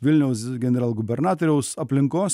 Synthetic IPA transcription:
ʋʲɪlʲnʲɛʊsɡʲɛnʲɛɾɑːlˠɡʊbʲɛɾnɑːt̪ɔɾʲɛʊsɐpʲlʲɪŋkoːs

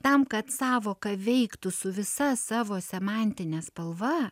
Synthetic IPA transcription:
t̪ɐmkɐt̪sɑːʋoːkɐʋʲɛɪkt̪ʊsʊʋʲɪsɐsɑːʋoːsʲɛmɑˑnʲt̪ʲɪnʲɛspɐlˠʋɐ

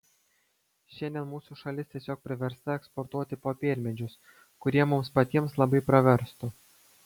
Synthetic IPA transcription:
ʃʲɛnd̪ʲɛnmuːsuʃɐlʲɪst̪ʲiɛsʲoːk̚pʲɾʲɪʋʲɛɾst̪ɐɛkspɔɾt̪uɔt̪ʲɪpoːpʲeːlʲmʲɛd͡ʒʲʊs | kʊɾʲiɛmʊmspɐt̪ʲiɛmslˠɐbɐɪpɾɐʋʲɛɾst̪ʊ

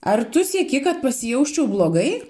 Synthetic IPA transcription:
ɐrt̪ʊsʲɛkʲɪkɐt̪̚pɐsʲɪjɛʊʃʲt͡ʃʲɛʊblˠoːɡɐɪ

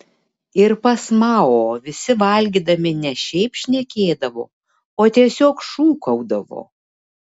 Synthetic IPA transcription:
ɪɾpɐsmɑːoːʋʲɪsʲɪʋɐlʲɡʲiːd̪ɐmʲɪnʲɛʃʲɛɪpʃʲnʲɛkʲeːd̪ɐʋo̰ː | oːt̪ʲiɛsʲoːkʃuːkɐʊd̪ɐʋo̰ː

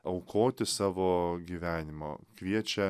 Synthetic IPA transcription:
ɐʊkʰoːt̪ʲɪsɑːʋoːɡʲiːʋʲæːnʲɪmo̰kʋʲiɛt͡ʃʲɛ

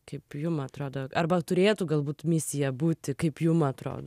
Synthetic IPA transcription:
kɐɪpjʊmɐt̪ɾoːd̪oːɐɾbɐt̪ʊɾʲeːt̪uɡɐlˠbuːt̪mʲɪsʲɪjɛbuːt̪ʲɪkɐɪpjʊmɐt̪ɾo̰ːd̪

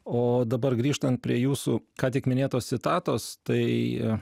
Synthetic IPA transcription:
oːd̪ɐbɐrɡɾʲiːʃt̪ɐnt̪̚pʲɾʲiɛjuːsʊ̰kɑːt̪ʲɪkmʲɪnʲeːt̪oːst̪sʲɪt̪ɑːt̪oːst̪ɐɪ

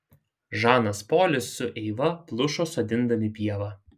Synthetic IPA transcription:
ʒɑːnɐspoːlʲɪsːʊʔɛɪʋɐplˠʊʃoːsod̪ʲɪnd̪ɐmʲɪpʲiɛʋɑ

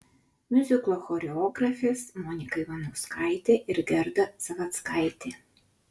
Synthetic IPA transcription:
mʲʊzʲɪklˠoːxɔɾʲɛɔːɡɾɐfʲeːsmɔnʲɪkɐɪʋɐnɐʊskɐˑɪt̪ʲeːʔɪɾɡʲɛɾd̪ɐsɐʋɐt̪skɐɪt̪ʲeː

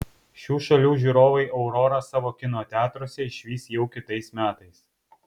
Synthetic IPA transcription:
ʃʲuːʃɐlʲuːʒʲuɾoːʋɐɪʔɐʊɾɔɾɐsɑːʋoːkʲɪnoːt̪ʲæːt̪ɾoːsʲɛɪʃʲʋʲiːsjɛʊkʲɪt̪ɐɪsmʲæːt̪ɐɪs

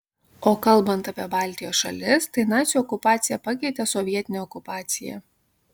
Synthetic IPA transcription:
oːkɐlˠbɐnt̪ɐpʲiɛbɑːˑlʲt̪ʲɪjoːsʃɐ̰lʲɪst̪ɐɪnɑːt̪sʲɪjuɔkʊpɑːt̪sʲɪjɛpɐkʲɛɪt̪ʲɛsɔʋʲiɛt̪ʲɪnʲɛɔkʊpɑːt̪sʲɪjɛ̰

